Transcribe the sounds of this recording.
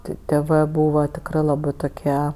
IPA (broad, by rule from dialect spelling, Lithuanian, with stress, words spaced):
ˈtʲɪ tʲeːˈʋɜ ˈbuːʋɐ tʲɪkˈrɜ lˠɐˈbɜ toːˈkʲiɛ